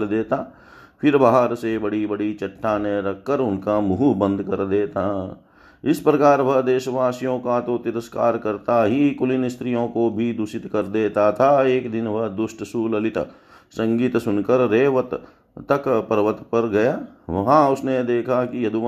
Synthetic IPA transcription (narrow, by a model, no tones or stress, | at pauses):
ld̪eːt̪aː | pʰɪɾbaɦəɾsebɐɽibɐɽit͡ʃɐʈʰːaneɾɐkʰːəɾʊnkamuɦbə̃nd̪ʱkɐɾd̪eːt̪a | ɪspɾɐkaːɾbʱɐɦd̪eːʃəʋaːsijõkat̪ot̪ɪɾəskaːɾkɐɾt̪aɦikʊlɪnɪst̪ɾijõkobʱid̪ʊʃɪt̪kɐɾd̪eːt̪at̪ʰaeːkd̪ɪnbʱɐɦd̪ʊsʈsuːlɐlɪt̪ə̰ | sɐ̃ŋɡiːt̪sʊnkəɾːeːʋət̪ | t̪ːəkpəɾʋət̪pəɾɡɐjaːʋɐɦãʊsned̪eːkʰakijɐd̪u